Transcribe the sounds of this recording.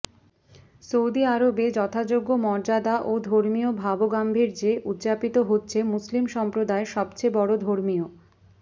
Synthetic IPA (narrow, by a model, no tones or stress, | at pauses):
sowd̪iaɾobed͡ʑɔt̪ʰad͡ʑoɡːomɔɾd͡ʑad̪aʔod̪ʱoɾmiobʱaboɡambʱiɾd͡ʑeʔut̪ːd͡ʑapit̪oɦotːɕʰemuslimʃɔmpɾod̪aeʃɔbt͡ɕebɔɽod̪ʱoɾmio